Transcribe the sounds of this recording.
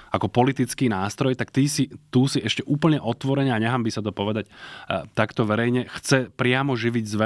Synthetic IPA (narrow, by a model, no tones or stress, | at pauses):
akɔpɔlit̪it͡skiːnaːst̪ɾɔjt̪akt̪iːsit̪uːsiɛʃcɛʔuːpl̩ɲɛʔɔt̪ʋɔɾɛɲɛaɲɛɦaːmbisat̪ɔpɔʋɛd̪act̪akt̪ɔʋɛɾɛjɲɛxt͡sɛpɾɪamɔʒiʋiɟzʋɛ